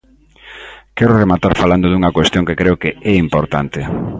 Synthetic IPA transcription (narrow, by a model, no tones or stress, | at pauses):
kɛɾoremat̪aɾfaland̪oðuŋɐkwest̪jõŋkekɾeʊkeɛimpoɾt̪ant̪ɪ